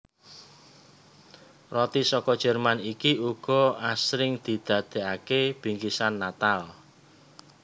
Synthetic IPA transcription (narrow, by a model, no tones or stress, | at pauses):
rɔt̪isɔkɔd̥ʒ̥ɛ̤rmanikiuɡ̥ɔ̤asɾɪŋd̪̥i̤d̪̥a̤d̪̥e̤akeb̥i̤ŋkisanːat̪al